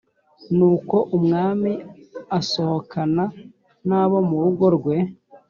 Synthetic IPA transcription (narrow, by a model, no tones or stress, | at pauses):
nuːko̞ʔumŋaːmiaso̞ho̞kʰana | naːβo̞muɾuɡoɾɡwe̞